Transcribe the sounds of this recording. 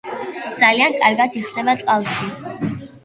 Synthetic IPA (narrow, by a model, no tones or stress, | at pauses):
d̪zaliankʼaɾɡat̪ʰiχsnɛbat̪sʼqʼalˠʃi